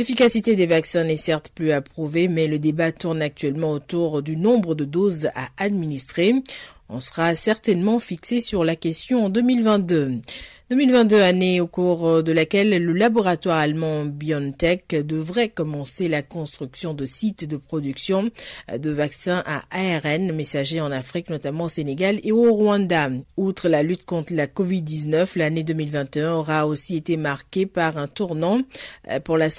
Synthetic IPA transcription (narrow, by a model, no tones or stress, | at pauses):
lefikasit̪ed̪evaksɛ̃nɛsɛʁt̪plyapχuvemɛləd̪ebat̪uʁnak̚t̪ɥɛlmɑ̃ot̪uʁd̪ynɔ̃bʁəd̪əd̪oza̰ad̪minist̪χeɔ̰̃səʁasɛʁt̪ɛnmɑ̃fiksesyʁlakʲɛst̪jɔ̃ɑ̃d̪ømilvɛ̃t̪̚d̪ød̪ømilvɛ̃t̪̚d̪øaneokuʁd̪əlakʲɛlːəlabɔʁat̪waʁalmɑ̃bjɔnt̪ɛkd̪əvʁɛkɔmɑ̃selakɔ̃st̪χyksjɔ̃d̪əsit̪d̪əpχɔd̪yksjɔ̃d̪əvaksɛ̃ʔaʔaɛʁɛnmesaʒeɑ̃nafχiknɔt̪amɑ̃oseneɡaleoʁwɑ̃d̪aut̪χəlalyt̪kɔ̃t̪χəlakɔvid̪̚ːiznœflaned̪əmilvɛ̃t̪eɛ̃ɔʁaosiet̪emaʁkʲepaʁɛ̃t̪uʁnɑ̃puʁlas